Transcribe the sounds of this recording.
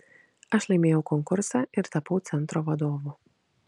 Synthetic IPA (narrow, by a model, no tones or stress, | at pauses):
aʃlʲˠimʲiːukɔŋkuɾsaiɾt̪apuːt̪sʲɛnt̪ɾɔvad̪ɔːvu